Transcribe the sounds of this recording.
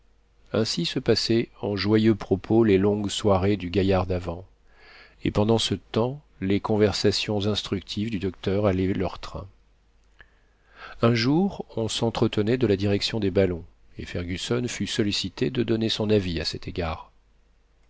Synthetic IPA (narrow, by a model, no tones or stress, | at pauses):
ɛ̃sisəpasɛɑ̃ʒwajøpχɔpʰolelɔ̃ɡswaʁed̪yɡʲajaʁd̪avɑ̃ | ḛpɑ̃d̪ɑ̃sət̪ɑ̃ | lekɔ̃vɛʁsasjɔ̃zɛ̃st̪χyk̚t̪ʰivd̪yd̪ɔk̚t̪œʁalɛlœʁt̪χɛ̰̃ | ɛ̃ʒuʁɔ̃sɑ̃t̪χət̪ənɛd̪əlad̪iʁɛksjɔ̃d̪ebalɔ̃ | ḛfɛʁɡʲysɔnfysɔlisit̪ed̪əd̪ɔnesɔ̃naviasɛt̪ʰeɡaːʁ